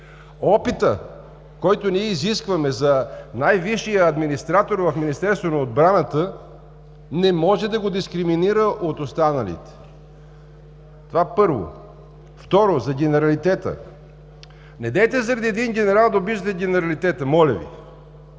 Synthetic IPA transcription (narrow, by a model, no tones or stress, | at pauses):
ɔpit̪ə | kɔjt̪oniɛiziskvɐmɛzɐnajviʃijəːd̪minist̪ɾat̪oɾvɐfminist̪ɛɾst̪vonɐod̪bɾanət̪ə | nɛmɔʒɛd̪ɐɡod̪iskɾiminiɾəʔot̪ost̪anɐlḭt̪ɛ̥ | t̪ovapɤɾvo̰ | ft̪ɔɾozɐɡʲɛnɛɾɐlit̪ɛt̪ə̰ | nɛd̪ɛjt̪ɛzɐɾɐd̪iɛd̪inɡʲɛnɛɾalˠd̪ɐobiʃət̪ɛɡʲɛnɛɾɐlit̪ɛt̪əmɔlʲə̰vḭ